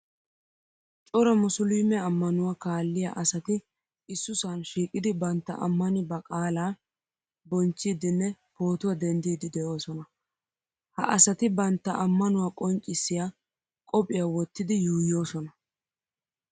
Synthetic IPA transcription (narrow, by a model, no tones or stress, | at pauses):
t͡ʃʼɔɾɐmʊsʊliːmɛɐmːɐnʊwakaːlːɪja̰ʔɐsɐt̪ɪ | ɪsːʊsanʃiːkʼɪd̪ɪbɐnt̪ːɐ̰ʔɐ̰mːɐnɪbɐkʼaːlaː | bɔnt͡ʃːiːd̪ɪnːɛpo̞ːt̪ʊwɐd̪ɛnd̪iːd̪ɪd̪ɛʔoːsɔnɐ | hɐ̰ʔɐsɐt̪ɪbɐnt̪ːɐʔɐmːɐnʊwaːkʼɔŋt͡ʃʼːɪsːɪja | kʼɔpʼɪjawɔt̪ːɪd̪ɪjuːjo̞ːsɔnɐ